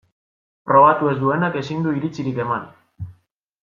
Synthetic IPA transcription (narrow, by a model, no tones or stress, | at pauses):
pɾo̞β̞at̪ue̞zd̪ue̞nake̞sind̪uiɾit͡siɾike̞man